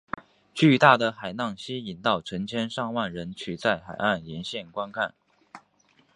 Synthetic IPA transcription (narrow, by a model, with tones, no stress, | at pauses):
t͡ɕy˥˧t̪a˥˩d̪ə˩xa˨˩ɪnɑ˥˩ŋɕi˥i˨˩nt̪ɑ˥˩ʊʈ͡ʂʰə˧˥ŋt͡ɕʰjɛ˥nʂɑ˥˧ŋwa˥˩nɻə˧˥nt͡ɕʰy˨˩t͡sa˥˩ɪxa˨˩ɪa˥˩nljɛ˧˥nɕjɛ˥˩nkwa˥nkʰa˥˩n